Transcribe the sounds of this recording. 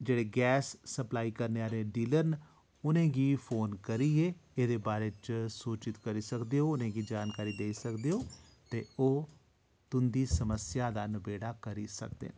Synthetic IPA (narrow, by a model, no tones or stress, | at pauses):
d͡ʒeːɽeːɡɛːsːəplaːiːkəɾneːaːɾeːɖiːləɾn | ʊnẽːɡiːpʰoːnkəɾiːeːeːd̪eːbaːɾeːt͡ʃsuːt͡ʃɪt̪kəɾiːsəkd̪eːoːʊnẽːɡiːd͡ʒaːnkaːɾiːd̪eːisəkd̪eːoː | t̪eːoː | t̪ʊnd̪iːsəməsjaːd̪aːnəbeːɽaːkəɾiːsə̰k̚d̪ḛː